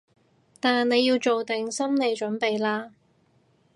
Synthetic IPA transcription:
t̪aː˨nne˨˧jiː˧wt͡ʃo˨wt̪ɪ˨ŋsɐ˥mne˨˧jt͡ʃɵ˨˥npe˨jlaː˥

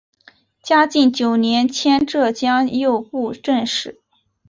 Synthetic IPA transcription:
t͡ɕja˥t͡ɕi˥˩nt͡ɕjo˨˩ʊnjɛ˧˥nt͡ɕʰjɛ˥nʈ͡ʂɤ˥˩t͡ɕjɑ˥ŋjo˥˧ʊpu˥˧ʈ͡ʂə˥˧nʂɻ̩˥˩

